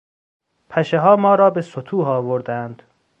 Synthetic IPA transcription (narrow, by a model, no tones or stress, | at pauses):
pʰæʃeɦɒːmɒːɾɒːbesot̪ʰuːɦɒːvoɾd̪ænd̪̥